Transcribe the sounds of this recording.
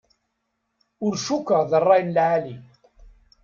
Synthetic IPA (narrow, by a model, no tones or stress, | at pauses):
ʊɾʃukːəʁðərˤːɑjnlʕali